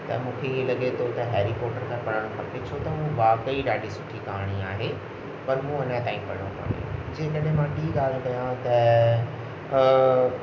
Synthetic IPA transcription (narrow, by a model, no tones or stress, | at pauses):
t̪ɐ̰mũːkʰelɐɠet̪ʰot̪ɐɦeːɾikɔːʈəɾkʰãpɐɽəɽ̃õkʰɐpet͡ɕʰot̪ɐɦũʋaːkəiɖaːɖisʊ̥ʈʰikaːɽ̃iaːɦe | pɐɾmũːɐnə̃t̪ãːĩpɐɽ̤õ̰pɐ̰ɳḛ̃d͡ʑẽːkɐɗɦẽmãʈiːɠaːl̤kɐjãt̪ɐ